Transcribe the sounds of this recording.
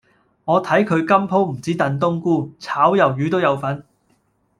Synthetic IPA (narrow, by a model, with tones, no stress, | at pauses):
ŋɔː˨˧t̪ʰɐ˨˥jkʰɵ˨˧ɥkɐ˥mpʰo˥wm̩˨˩t͡siː˨˥t̪ɐ˨˧nt̪̬ʊ˥ŋkuː˥t͡sʰaː˨˥wjɐ˨˩wjyː˨˧t̪o˥wjɐ˨˧wfɐ˨˥n